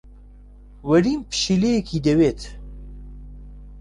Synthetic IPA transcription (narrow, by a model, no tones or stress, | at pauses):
wɐɾiːmpʃilejekʰiːd̪eweːt̪ʰ